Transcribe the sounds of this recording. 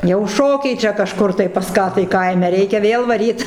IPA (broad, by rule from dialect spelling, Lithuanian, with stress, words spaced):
jɛʊ ˈʃoːkʲɛɪ ˈt͡ʃʲɛ kɐˈʃkʊr tɐɪ pɐs ˈkɑː tɐɪ ˈkɐɪmʲɛ ˈrʲɛɪkʲɛ ˈʋʲeːlˠ ʋɐˈrʲiːt